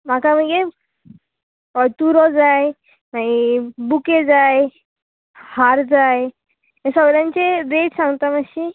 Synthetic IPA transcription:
m̤akaməɡe | ɔt̪uɾɔd͡zaj | maibuked͡zaj | haɾd͡zaj | esəɡɾjãnt͡seɾeʈsãŋɡt̪amaɕi

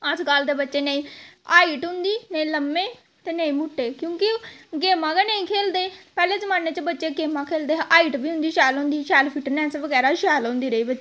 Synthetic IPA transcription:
əd͡ʒɡəld̪eːbətːʃeːneĩːaːiːʈɦʊ̃nd̪iːnəĩːləmːẽː | t̪eːnəĩːmʊʈːeːkjõːkɪɡeːmãːɡanəĩːkʰeːld̪eːpɛːleːzəmaːnːeːt͡ʃəbətːʃeːɡeːmãːkʰeːld̪eːɦʔaːiːʈbiːɦʊ̃nd̪iːʃɛːlõːnd̪iːʃɛːlpʰiʈnɛ̃ːsʋəɡɛːɾaːʃɛːlõːnd̪iːɾəiːbətːt͡ʃe

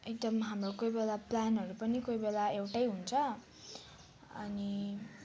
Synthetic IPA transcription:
ek̚d̪ʌmɦamrokojbelaplanɦʌɾupʌnikojbelaewʈʌjɦunt͡sʰʌ | ʌ̰ni

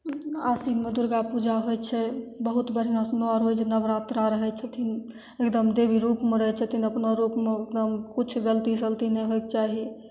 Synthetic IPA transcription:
asinmed̪uɾɡapud͡ʒaɦojt͡ʃʰɛbəɦut̪bəɾijãsmeɔɾɦojt͡ʃʰɛnəbɾat̪ɾaɾəɦɛt͡ʃʰɛt̪ʰin | ekd̪əmd̪ebʱiɾupmeɾəɦɛt͡ʃʰət̪ʰinəpnaɾupmeekd̪əmkut͡ʃʰɡəlt̪isəlt̪inɛɦojk̚t͡ʃaɦi

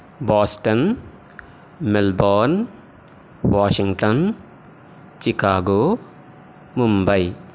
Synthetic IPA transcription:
bɔsʈɔn | mɛlbɔn | waʃiŋʈɔn | t͡ʃikaɡo | mumbaj

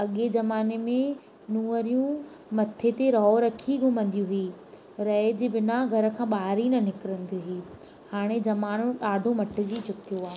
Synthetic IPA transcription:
ɐɠed͡ʑɐmaːnemẽ | nuːəɾijũ | mɐt̪ʰːet̪eɾɔːɾɐkʰiɡʱʊmə̃nd̪ijũɦʊiː | ɾɐɦd͡ʑiːbɪnaɡʱɐɾə̆kʰãːɓaːɦɾinɐnɪkɪɾə̃nd̪juɦiː | haːɽ̃ed͡ʑɐmaːnõɗaːɖʱõmɐʈɪ̆d͡ʑiːt͡ɕʊkt̪ʰijoaːɦ

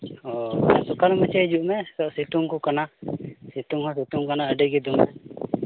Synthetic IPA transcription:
ɔsɔkalmət͡ʃed͡ʒuʔmɛt̪ɔʔsit̪uŋkukanasit̪uŋhɔ̃situŋkanaəɖeɡɛd̪umɛ̰

